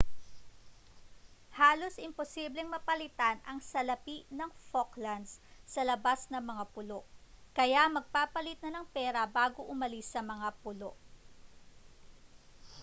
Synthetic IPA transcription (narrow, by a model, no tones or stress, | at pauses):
haːlo̞sʔɪmposiːblɛŋmɐpɐlɪt̪anɐŋsɐlɐpiʔnɐŋfoklɐnd̪sːɐlɐbasnɐŋmɐŋapʊlo̞ʔkɐjamɐɡ̚paːpɐlɪt̪̚nɐnɐŋpɛːɾɐbaːɡoʔʊmɐlɪsːɐmɐŋapʊloʔ